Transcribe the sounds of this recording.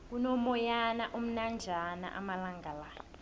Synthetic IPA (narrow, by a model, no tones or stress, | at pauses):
k̬unɔmɔjanaʔum̩nand͡ʒʱana̰ʔa̰malaŋɡʱalaːjɔ